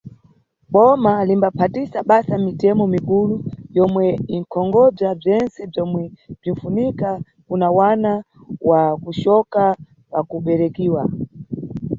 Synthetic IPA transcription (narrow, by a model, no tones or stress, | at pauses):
ɓɔmalimbapʰatisaɓasamitɛmɔmikulujɔmwɛiŋ̩kʰɔŋɡɔb͡ʐab͡ʐɛnt͡sɛb͡ʐɔmwɛb͡ʐinfunika | kunawana | wakuʃɔka | pakuɓɛɾɛkiːwa